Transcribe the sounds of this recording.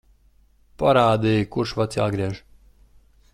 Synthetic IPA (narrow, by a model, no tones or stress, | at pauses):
paɾaːd̪ijkuɾʃvat̪sja̰ːɡɾiɛʒ